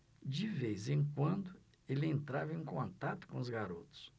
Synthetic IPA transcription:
d͡ʒɪvejzẽj̃kwɐ̃nd̪ʊ | elɪẽnt̪ɾavɐẽj̃kõnt̪at̪ʊ̥kõʊzɡaɾot̪ʊ̥s

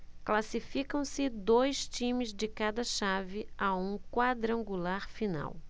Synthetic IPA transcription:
klasifikɐ̃w̃sɪd̪ojst͡ʃĩmɪzd͡ʒɪkad̪ɐʃavɪaũkwad̪ɾɐ̃ŋɡulaɾfina̰w

